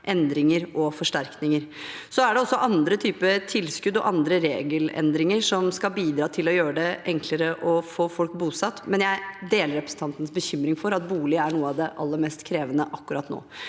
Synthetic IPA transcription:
ʔɛnd̪ɾɪŋəɾɔfɔʂʈæɾknɪŋəɾsɔæɖɛɔsːɔʔɑnd̪ɾət̪ʰyːpət̪ʰɪlskʉd̪ɔ̰ʔɑnd̪ɾəɾeːɡəlɛ̰nd̪ɾɪŋəʂɔmskɑlbiːd̪ɾɑːt̪ʰɪlɔjøːɾəɖ̪ɛʔɛŋkʰləɾəʔɔfoːfɔlkbuːsɑt̪ːmɛnjæɪd̪eːləɾɛpɾəsn̩t̪ʰɑnt̪ənəsbəçʏmːɾɪŋfɔɾɑt̪̚buːlɪəæɳuːəɑʋd̪ɛʔɑlːəɾmɛst̪kʰɾeːʋənəʔɑkːʉɾɑt̪no̰ː

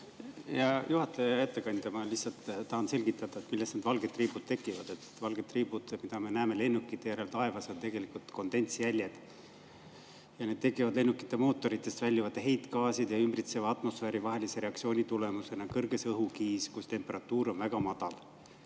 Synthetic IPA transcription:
jɑjuhɑt̪ːˑejɑjæt̪ːekɑnʲd̪̥ɑmɑliçsːɑlt̪t̪ɑhɑnse̞lɡ̥it̪ːˑɑd̪̥ɑet̪milːest̪ned̪̥vɑlɡ̥et̪ːriːbut̪̚t̪e̞kːˑivɑd̪̥et̪vɑlɡ̥e̞d̪̚ːriːb̥ud̪̥mid̪̥ɑme̞næːme̞le̞nːukːˑit̪ːˑe̞jæɾe̞lt̪ɑe̞vɑsont̪e̞ɡ̥e̞likult̪ko̞nd̪e̞nʲt̪sjælʲjed̪̥ | jɑne̞d̪̥t̪e̞kːˑivɑd̪le̞nːukːˑi̥t̪ːe̞mo̞ːt̪ːo̞ɾit̪ːˑe̞st̪vælʲːivɑt̪ːˑeɦe̞jt̪ˑkɑːsid̪̥jɑymbrit̪sevɑɑt̪ːˑmo̞sfeːɾivɑɦe̞lise̞ɾe̞ɑk̪̚sioːnʲit̪ule̞muse̞nɑkɤrɡ̥e̞sɤɦukiːskust̪e̞mpe̞ɾɑt̪ːˑuːɾo̞nvæɡ̥ɑmɑd̪̥ɑl

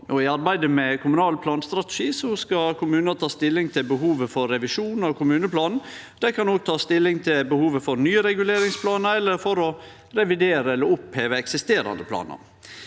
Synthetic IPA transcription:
ʔɔɪɑɾbæɪd̪əmɛkʰʊmʉnɑːlpʰlɑːnst̪ɾɑt̪ə̥ʃiːsɔskɑkʰʊmʉːnət̪ʰɑːst̪ɪlːɪŋt̪ʰɪlbəɦuːʋəfɔɾːɛʋɪʂuːn̩ɑʋkʰʊmʉːnəpʰlɑːnn̩ | d̪̥ɛkɑnoːɡ̚t̪ʰɑːst̪ɪlːɪŋt̪ʰɪlbəhuːʋəfɔɾnyːəɾɛɡʉleːɾɪŋspʰlɑːnəɾɛlːəɾfɔɾɔ | ɾɛʋɪd̪eːɾəɛlːəɾʊpheːʋəɛksɪst̪eːɾɑ̰nd̪əpʰlɑ̰ːnə̰ɾ

